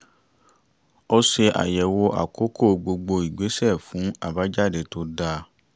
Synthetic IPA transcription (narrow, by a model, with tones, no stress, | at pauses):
ɔ˧ʃe˧ʔa̰˨jɛ˨wo˧ʔa̰˨kʰo˦ko˦˨ɡ͡bo˧ɡ͡bo˧i˨ɡ͡be˨˦sɛ˦˨fũ˨˦a̰˦˨ba˨˦d͡ʒa˦˨de˨to˧˦da˧